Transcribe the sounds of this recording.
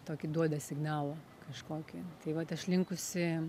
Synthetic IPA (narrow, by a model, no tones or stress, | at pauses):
t̪oːkʲɪd̪uɔd̪ɐsʲɪɡnɑːlˠo | kɐʃkoːkʲɪt̪ɐɪʋɐt̪ɐʃlʲɪŋkʊsʲɪ